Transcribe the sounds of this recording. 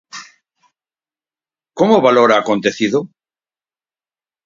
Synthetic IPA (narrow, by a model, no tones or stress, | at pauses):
komoβalo̞ɾaːko̞nt̪e̞θiðo